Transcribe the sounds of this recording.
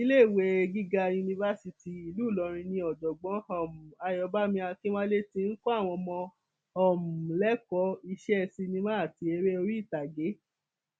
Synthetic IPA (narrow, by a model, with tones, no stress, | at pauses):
i˦le˦i˨we˧ɡi˦ɡa˧ju˧nĩ˧va˧˦si˧ti˨i˧lu˨˦˨lɔ˨˧ɾ̃ĩ˧nĩ˧ɔ˨d͡ʒɔ˨ɡ͡bɔ̃˨˦ɔ˨mu˨a˧jɔ˧ba˦mĩ˧a˧ki˦w̃ã˦le˦ti˧˦n̩˦kɔ˦a˦˨w̃ɔ̃˧mɔ̃˧ | ɔ˨mũ˨lɛ˨˦kɔ˧˦i˧ʃɛ˦ɛ˦˧˨si˧nĩ˧mã˦a˦˨ti˧e˧ɾe˦o˧ɾi˦i˦˨ta˨ɡe˨˦